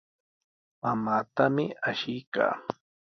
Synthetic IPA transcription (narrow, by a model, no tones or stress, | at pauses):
mamaːt̪amɪaʃɪjka̰ː